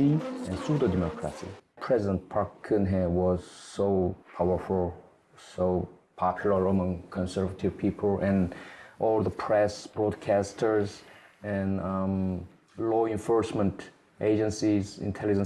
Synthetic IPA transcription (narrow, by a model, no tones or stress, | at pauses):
iɛ̃nsutədɛmɔkʰɹa̰sḭpʰɹ̥ɛzɪdə̃nt̚pʰaɹkʰːɨ̃nɦɛwɔz̥soʊpʰawə˞fulˠ | sopʰɑpʰjuləɹəmʌ̃ŋkʰɔ̃nsɜ˞vətʰivpʰipʰəl̩ˠɛ̃nʔɔlˠðəpʰɹ̥ɛsb̥ɹɔdkʰæstʰə˞zɛ̃n | lɔɪ̃nfɔɹsmə̃nt | ʔeɪd͡ʒə̃nsizɪ̰̃ntʰɛlid͡ʒə̃n